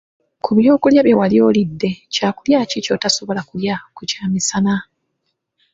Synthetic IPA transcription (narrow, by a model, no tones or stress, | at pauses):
kʰuβjo̞ːkuljaβje̞walio̞ːlidːe̞caːkuljaːcico̞taso̞βo̞lakuljakucaːmisana